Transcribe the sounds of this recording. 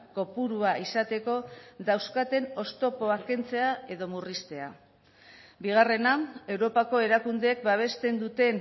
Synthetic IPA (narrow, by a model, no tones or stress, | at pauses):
ko̞puɾuaisat̪e̞ko̞ðawskat̪e̞no̞st̪o̞po̞ake̞nt͡se̞ae̞ðo̞murist̪e̞a̰ | biɣ̞are̞nae̞wɾo̞pako̞e̞ɾakund̪eːk̚baβ̞e̞st̪e̞nd̪ut̪e̞n